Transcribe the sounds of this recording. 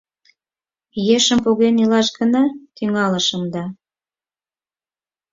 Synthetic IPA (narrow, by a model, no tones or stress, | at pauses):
jeʃəmpoɣenilɑʃɡənɑt̪yŋɑləʃəmd̪ɑ